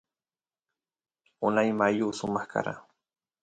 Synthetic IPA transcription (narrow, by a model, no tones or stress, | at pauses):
ʊnajmajuːsʊmɑχkʰa̰ɾa̰